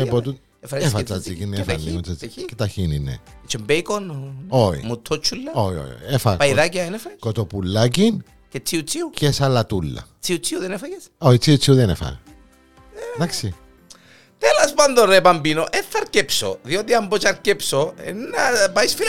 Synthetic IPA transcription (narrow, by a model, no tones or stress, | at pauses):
epot̪u | efefɐt͡sɐt͡sikinːefɐnːimot͡sɐt͡siket̪ɐçininḛ | t͡ʃembeikonoḭmut̪ʰːot͡ʃʰːulːɐoio̰jo̰iefɐpɐiðaciɐenefɐkot̪opulːɐc̬in | cet͡sːiut͡siucesɐlːɐt̪ulːɐ̰t͡siut͡siuðenefɐjesoit͡siut͡siuðenefɐ̰ | ðaksi | t̪elospand̪onɾepɐmbinoʔeθːɐɾcepsoðiot̪iɐmbot͡ʃɐɾcepsoḛnːɐpajsfi